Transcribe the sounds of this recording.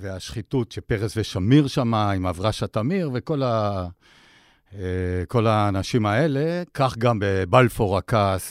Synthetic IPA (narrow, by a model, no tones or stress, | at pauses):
veaʃχitutʃepeʁesveʃamiʁʃamaimavʁaʃatamiʁveko̞la | ko̞laːnaʃimae̞le̞kaχɡambebalfoʁakas